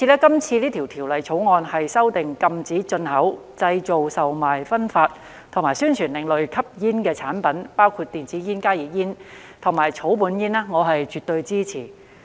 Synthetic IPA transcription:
i˧lɛː˥kɐ˥mt͡sʰiː˧liː˥t̪ʰi˨˩wt̪ʰiː˨˩wlɐ˨jt͡sʰo˨˥wŋɔː˧nhɐ˨jsɐ˥wt̪ɪ˨ŋkɐ˧mt͡siː˨˥t͡ʃɵ˧nhɐ˨˥wt͡sɐ˧jt͡so˨wsɐ˨wmaː˨˩jfɐ˥nfaː˧t̚ | t̪ʰŋmaː˨˩syː˥nt͡ʃʰyː˨˩nlɪ˨˩ŋlɵ˨ɥkʰɐ˥p̚jiː˥nkɛː˧t͡sʰaː˨˥npɐ˨˥npaː˥wkʰuː˧t̚t̪iː˨nt͡siː˨˥jiː˥nkaː˥jiː˨˩t̚jiː˥n | t̪ʰʊ˨˩ŋmaː˨˩jt͡ʃʰo˨˥wpuː˨˧˥njiː˥nɛː˥ŋɔː˨˧ɦɐ˨jt͡ʃyː˨˩t̪ːɵ˧ɥt͡siː˥t͡sʰiː˨˩

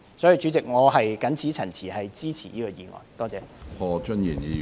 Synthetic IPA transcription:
sɔː˨˥ji˨˧t͡ʃy˨˥t͡sɪ˨k̚ŋɔː˨˧ɦɐ˨jkɐ˨˥nt͡sʰiː˨˥t͡sʰɐ˨˩nt͡sʰiː˨˩hɐ˨jt͡siː˥t͡sʰḭː˨˩niː˥kɔː˧jiː˨˩ŋɔ̰ː˨˩nt̪ɔː˥t͡sɛː˨˧pʰɔː˧t͡ʃɵ˥nji˨˩ni˨˧

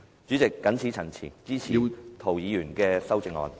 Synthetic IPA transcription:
t͡ʃyː˨˥t͡sɪ˨kːɐ˨˥nt͡sʰiː˨˥t͡sʰɐ˨˩nt͡sʰḭː˨˩nt͡siː˥t͡sʰiː˨˩t̪ʰo˨˩wjiː˨˧jyː˨˩nkɛː˧sɐ˥wt͡sɪ˧ŋɔ̰ː˨˧n

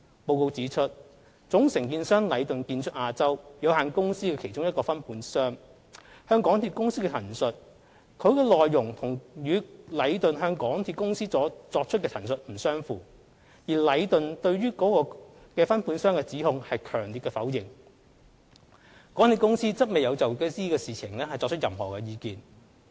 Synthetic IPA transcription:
po˧wko˧wt͡siː˨˥t͡ʃʰɵ˥t̚ | t͡sʊ˨˥ŋsɪ˨˩ŋkiː˧nsœː˥ŋlɐ˨˧jt̪ɵ˨nkiː˧nt͡ʃʰɵ˥t̚ʔaː˧t͡sɐ˥wjɐ˨˧whaː˨nkʊ˥ŋsiː˥kɛ˧kʰe˨˩t͡ʃʊ˥ŋjɐ˥tkɔː˧fɐ˥npʰuː˨˥nsœː˥ŋ | hœː˥ŋkɔː˨˥ŋt̪ʰiː˧kʊ˥ŋsiː˥kɛ˧t̪ʰɐ˨˩nsɵ˨t̚ | kʰɵ˨˧ɥkɛː˧lɔː˨jːʊ˨˩ŋt̪ʰʊ˨˩ŋɥyː˨˧lɐ˨˧jt̪ɵ˨nɦœː˧ŋkɔː˨˥ŋt̪ʰiː˧t̚kʊ˥ŋsiː˥t͡sɔː˨˥t͡sɔː˧k̚t͡ʃʰt̚kɛː˧t̪ʰɐ˨˩nsɵ˨t̚m̩˨˩sœː˥ŋfuː˨ | jiː˨˩lɐ˨˧jt̪ɵ˨nt̪ɵ˧ɥɥyː˥kɔː˨˥kɔː˧ | kɛː˧fɐ˥npʰuː˨˥nsœː˥ŋkɛː˧t͡siː˨˥hʊ˨ŋhɐ˨jkʰœː˨˩ŋliː˨tkɛ˧fɐ˨˥wjɪ˨ŋ | kɔː˨˥ŋt̪ʰiː˧tkʊ˥ŋsiː˥t͡sɐ˥t̚me˨˩jɐ˨˧wt͡sɐ˨wkɛ˧siː˥kɛː˧siː˨t͡sʰɪ˨˩ŋlɛː˥hɐ˨˩jt͡sɔ˧k̚t͡ʃʰɵ˥t̚jɐ˨mhɔ̰ː˨kɛː˧jiː˨˧kiː˨˧n

